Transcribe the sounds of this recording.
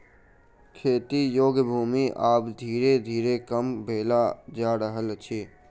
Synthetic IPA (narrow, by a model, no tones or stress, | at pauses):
kʰeːt̪ijoːɡbʱuːmiʔaːpd̪ʱiːɾed̪ʱiːɾekəmbʱeːlad͡ʒaːɽəɦəlt͡ʃʰeː